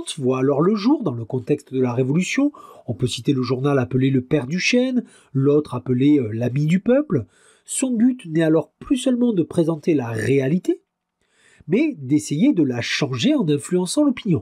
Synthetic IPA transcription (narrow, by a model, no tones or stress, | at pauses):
svwaːlɔʁləʒuʁd̪ɑ̃ləkɔ̃t̪ɛkst̪d̪əlaʁevɔlysjɔ̃ɔ̃pøsit̪eləʒuʁnalapəleləpɛʁd̪yʃɛn | lot̪χapəleølamid̪ypœpl | sɔ̃byt̪nɛalɔʁplysœlmɑ̃d̪əpχezɑ̃t̪elaʁealit̪e | mɛd̪esejed̪əlaʃɑ̃ʒeɑ̃nɛ̃flyɑ̃sɑ̃lɔpinjɔ̃